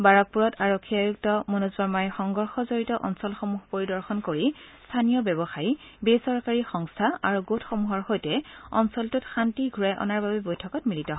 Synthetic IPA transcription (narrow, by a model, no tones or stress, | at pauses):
baɹɔk̚puɹɔtaɹokʰːiajuk̚tɔmɔnuzbaɹmajxɔŋɡɔɹxɔzoɹitɔʔɔnsɔlxɔmuɦpoɹidɔɹxɔnkoɹistʰanijɔbɛbɔxai | besɔɹkaɹixɔŋstʰaaɹuɡotʰxɔmuɦɔɹxojtɛɔ̰nsɔltʊtxantiɡʱuɹajʔɔ̰naɹbabɛbojtʰɔkɔtmilitɔɦ